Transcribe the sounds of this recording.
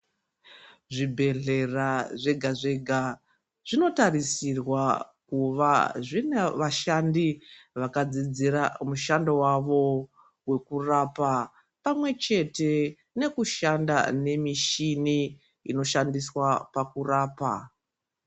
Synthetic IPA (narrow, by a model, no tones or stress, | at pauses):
ʐibʱe̞ɮe̞raʐe̞ɡʱaʐe̞ɡʱa | ʐ̥ino̞tarisirwakuʋaʐineʋaʃandiʋakad͡zid͡ziɾamuʃandowaʋo̞ | we̞kurapa | pamwe̞t͡ʃe̞te̞ | ne̞kuʃanda̰ne̞miʃini | ino̞ʃandiswapakuraːpa̰